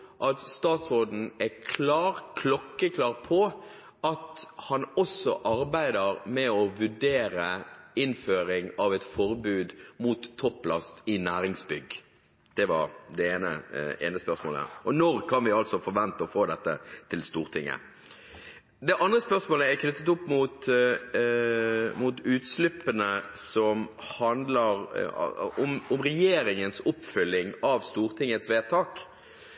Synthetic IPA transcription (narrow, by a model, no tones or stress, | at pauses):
ʔɑt̪st̪ɑːt̪soːd̪n̩ɛkʰlɑːɾkʰlɔkːəkʰlɑːʁpʰɔ | ɑt̪hɑnɔsɔ̰ʔɑɾbæɪd̪əɾmɛɔʋʉɖeːɾəɪnføːɾɪŋɑʋɛɪt̪fɔɾbʉːd̪muːt̪ʰːɔpːlɑst̪ɪnæːɾɪŋsbʏɡ | d̪̥ɛʋɑɾd̪ɛeːnə̰ʔḛːnəspœʁsmoːləæ̰ːɾɔnɔɾkʰɑnʋɪɑlt̪sɔfɔɾʋɛnt̪əɔfoːd̪ɛt̪ːə̰t̪ʰɪlst̪uːʁt̪ʰɪŋːə̰ | d̪ɛʔɑnd̪ɾəspœʁsmoːləækʰnʏt̪ːət̪ʊpːmuːt̪ | muːt̪ʉːt̪slʉpːənəsɔmhɑnd̪ləɾ̰ | ɔmɔmʁɛjeːɾɪŋənsʊpːfʏlːɪŋɑʋst̪uːɾt̪ʰɪŋːət̪sʋeːt̪ʰɑːk